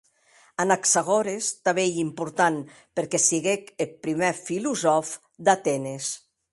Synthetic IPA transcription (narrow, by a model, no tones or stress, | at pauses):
anaksaɣɔɾest̪aβeimpuɾt̪an | peɾkɛsiɣekelpɾimefiluzɔf | d̪at̪ɛnes